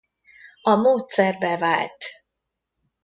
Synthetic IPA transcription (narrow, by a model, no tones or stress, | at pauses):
ɒmoːt̪sɛrbɛva̰ːlt̪